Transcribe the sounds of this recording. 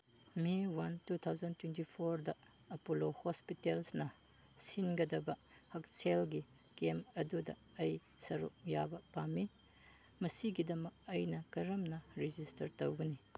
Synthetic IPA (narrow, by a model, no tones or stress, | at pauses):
miwantut̪ʰawzɐntwentipʰoɾdɐ | ɐpolohospitelsnɐ | sinɡɐdɐbɐ | hɐk̚selɡi | kemɐdudɐ̰ | ɐj | sɐɾṵk̚jabɐpami | mɐsiɡidɐmɐk̚ɐjnɐkɐɾɐmnɐɾid͡ʒistɐɾtowɡɐni